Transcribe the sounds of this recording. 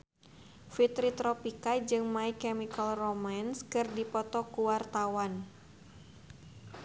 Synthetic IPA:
fit̪ɾit̪ɾɔpikad͡ʒɨŋmaikɛmikalromanskɨrdipɔt̪ɔkuwart̪awan

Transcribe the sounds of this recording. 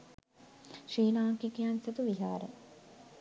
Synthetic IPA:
ʃiːlaːkikijanset̪uʋiɦaːɾḛ

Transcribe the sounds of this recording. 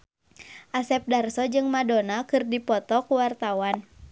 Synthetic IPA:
ʔasɛp̚darsɔd͡ʒɨŋmadonakɨrdipɔt̪ɔkuwart̪awan

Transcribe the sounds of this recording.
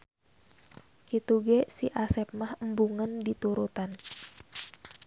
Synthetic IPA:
kit̪uɡɛsiʔasɛp̚mahəmbuŋəndit̪uɾut̪an

